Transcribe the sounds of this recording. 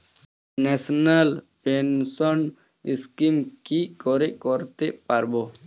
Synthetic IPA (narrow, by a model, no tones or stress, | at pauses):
nɛsnalpensɔn | iskimkikɔɾeʔkɔɾt̪eʔpaɾbo